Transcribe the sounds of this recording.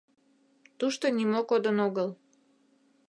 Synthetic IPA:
t̪uʃt̪onimokod̪ənoɣəl

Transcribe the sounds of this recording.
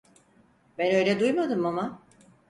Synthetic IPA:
bɛnø̞jlʲɛd̪ujmad̪ɯmama

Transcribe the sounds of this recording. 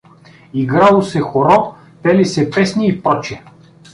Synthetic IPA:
iɡɾalˠosɛxoɾɔ | pɛlisɛpɛsniːpɾɔt͡ʃɛ

